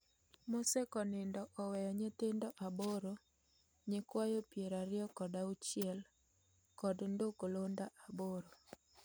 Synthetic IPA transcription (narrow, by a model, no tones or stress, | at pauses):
mosɛkɔnɪndɔʔɔwɛjɔɲet̪ɪndɔʔaboɾo | ɲɪkwajopjeɾaɾɪɔkɔdaut͡ʃɪɛl | kɔdndokolondaʔaboɾo